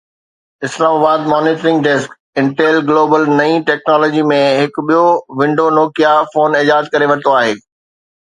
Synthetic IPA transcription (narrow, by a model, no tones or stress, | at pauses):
ɪslaːmaːbaːd̪mɔːniːʈəɾɪ̃ŋɡɖɛsk | ɪ̃ɳʈeːlɡloːbəlnɐĩʈɛːknɔːlɔːd͡ʑimẽɦɪk̆ɓijoʋɪ̃ɳɖonɔːkjafoːnɪd͡ʑaːd̪̚kɐɾeʋɐ̃t̪oaːɦeː